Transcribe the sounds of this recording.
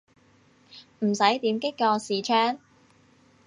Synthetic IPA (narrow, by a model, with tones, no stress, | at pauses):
m̩˨˩sɐ˨˥jt̪iː˨˥mkɪ˥kːɔː˧siː˨t͡ʃʰœː˥ŋ